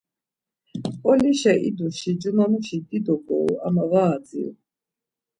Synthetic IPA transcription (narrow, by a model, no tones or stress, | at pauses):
qʼɔliʃɛʔḭd̪uʃid͡ʒumamuʃid̪id̪ɔɡɔ̰ua̰mavaːd̪d͡zḭ